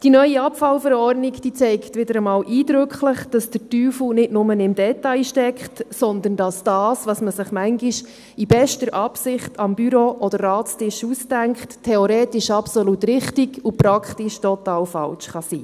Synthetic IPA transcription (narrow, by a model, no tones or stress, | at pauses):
d̥inœʏiɑpfɑlfəɾɔrdnikd̥iːt͡sɛɪktʋɪdəɾəmɑːlʔiːd̪ɾʏkχləχd̥ɑsd̥ətyːfl̩nɪtnʊmənɪmdɛtɑɪʃtɛkχtsɔnd̪ənd̥ɑsd̥ɑːsʋɑsməsɪχmæŋɡiʃ | ibɛʃtəɾʔɑpsɪχtʰɑmbyɾoʔɔd̥əɾːɑːtstɪʃusdæŋkχttʰːɛɔɾeːtɪʃɑpsolutɾɪχtikupɾɑkχtɪʃtɔtɑːlfɑ̰lʃχɑsḭː